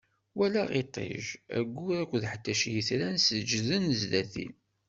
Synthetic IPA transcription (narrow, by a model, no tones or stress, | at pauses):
wælæʁet̪ˤḛʒæ̰ɡʷːuækʷðħət̪ːæʃjiθɾænsəd͡ʒðənzðæθḭl